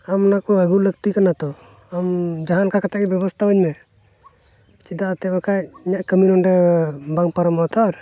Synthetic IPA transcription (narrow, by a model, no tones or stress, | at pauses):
amnakɔəɡulək̚t̪ikanat̪ɔ | amd͡ʒaɦankakat̪akɛbjɛbɔst̪ʰabəɲmɛ | t͡ʃid̪aʔt̪ɛbakajiɲaʔkəminɔɳɖɛbaŋpaɾɔmɔt̪ʰaɾ